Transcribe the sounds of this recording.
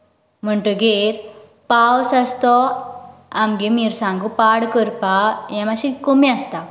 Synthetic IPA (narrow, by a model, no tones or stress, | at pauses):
m̤əɳʈəɡeɾ | pawsast̪ɔ | amɡemiɾsãŋɡupaɽkəɾpajãmaɕikomiast̪a